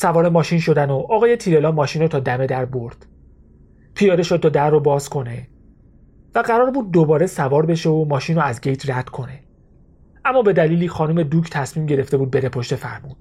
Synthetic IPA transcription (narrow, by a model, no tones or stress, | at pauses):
sævɒːɾemɒːʃinʃo̞d̪ænoʔɒːɣɒːjet̪ʰiːɾelɒːmɒːʃiːnɾot̪ʰɒːd̪æme̞d̪æɾbo̞ɾd̪̥ | pʰijɒːd̪e̞ʃod̪̚t̪ʰːɒːd̪æɾːobɒːzkʰo̞ne | væɢæɾɒːɾbuːd̪̚ːobɒːɾe̞sævɒːɾbe̞ʃeomɒːʃinɾoæzɟe̞jt̪ʰræd̪̥kʰo̞ne̞ | ʔæmːɒːbe̞d̪æliːliːxɒːnume̞d̪ucʰt̪ʰæsmiːmɟe̞ɾe̞ft̪e̞buːd̪̚be̞ɾepʰoʃt̪e̞fæ̰ɾmuːd̪̥̚